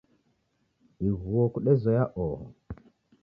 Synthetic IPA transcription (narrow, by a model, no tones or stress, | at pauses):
ivuɔkuɗɛzɔjaʔɔɦɔ